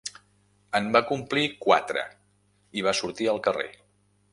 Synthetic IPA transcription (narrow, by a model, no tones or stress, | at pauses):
əmbakumplikwa̰t̪ɾə̰ | iβ̞asuɾt̪iəlˠkərḛ